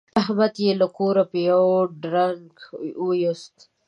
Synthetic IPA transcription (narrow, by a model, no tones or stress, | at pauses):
aɦmad̪jelakoɾapəjawɖɾaŋɡujost̪